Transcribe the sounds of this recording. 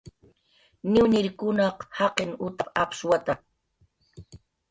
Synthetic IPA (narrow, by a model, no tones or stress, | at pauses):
nɪwnɪɾkʊnɑqhɑqeŋʊt̪apapswat̪a